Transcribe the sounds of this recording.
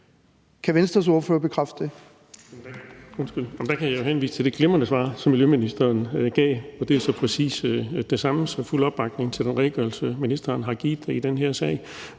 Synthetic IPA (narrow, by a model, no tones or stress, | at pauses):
kʰæʋensd̥ɐs̬o̝ɐføːɐb̥ekʰʁafd̥e | m̥o̽nsɡ̥yl̰m̩d̥ækʰæjajohenʋḭːsə̥t͡sʰe̝ld̥e̝ɡ̥lemɐnəsʋɑ̰̈ːsɒ̽mːiljøminisd̥ɐːnɡ̥ɛ̰ːɒ̽d̥e̝æsɒ̽pʰʁɛsḭːsd̥e̝sɑ̈məsɒful̰ɒ̽b̥ːɑ̈ɡ̥ne̝ŋt͡sʰe̝ld̥enʁɛɪɡ̥ɶɐlsəminisd̥ɐːnɦɑ̈ɡ̥ḭːd̥eid̥enɦeɐsɛ̰ːɪ